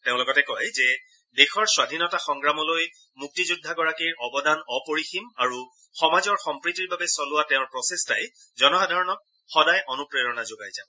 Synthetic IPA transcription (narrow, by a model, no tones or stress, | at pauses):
teʊ̃lɔɡɔtɛkɔjzɛ | dexɔɹswadʱinɔtaxɔŋɡɹamɔloj | muk̚tizudʱːaɡɔɹakiɹʔɔbɔdanɔpoɹiximaɹu | xɔmazɔɹxɔmpɹitiɹbabɛsɔlʊwateʊ̃ɹpɹɔsesta̰j | zɔnɔxadʱaɹɔnɔk̚ | xɔdajʔɔnupɹeɹɔnazoɡajzabɔ